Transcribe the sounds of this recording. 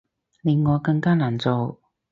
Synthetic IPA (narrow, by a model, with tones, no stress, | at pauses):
li˨˧˩nŋɔː˨˧kɐ˧ŋkaː˥naː˨˩nt͡so˨˧w